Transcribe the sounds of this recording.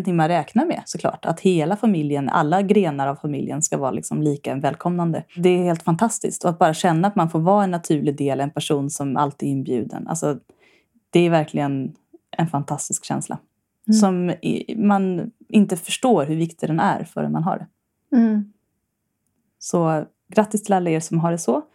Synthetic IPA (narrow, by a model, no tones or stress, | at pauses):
t̪ʰɪŋmanɾɛːknaɾmɛ̰sɔkʰlɑ̰ːʈa̰t̪heːlafamɪljəna̰lːaɡɾeːnaɾavfamɪljə̰nskavɑːɾalɪ̰ksɔmliːkaɛnvɛːlkʰɔmnand̪əd̪ɛːheːlt̪fant̪ʰast̪ɪ̰sk̚t̪ɔat̪̚bɑːɾaɕɛnːaːt̪manfoːɾvɑːɛnːat̪ʰʉ̟ːɭɪd̪eːlɛnpʰæʂuːnsɔmʔa̰lt̪iːɪnːbjʉ̟ːd̪ə̰nʔa̰lsɔ | d̪̥ɛæɾvæɾkʰlɪɡən | ʔɛnfant̪ʰast̪ɪskɕɛ̰nslʔa̰ | sɔmman | ɪnt̪əfœʂʈoːɾɦɵɾvɪkt̪ɪd̪ɛnæ̰ɾfœ̰ɾɛ̰nmanɦa̰ɖɛ̰ | sɔ | ɡɾat̪ːɪst̪ʰɪlalːaeːsɔmɦaɖɛsɔ